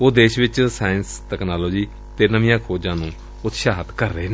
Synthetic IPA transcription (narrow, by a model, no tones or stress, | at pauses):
oːd̪eːʃʋɪt͡ʃsaːənst̪ɛːknaːloːd͡ʒiː | t̪eːnəʋɪ̃jãːkʰoːd͡ʒãːnũː | ʊt̪ʃaːɦət̪kəɾːəeːn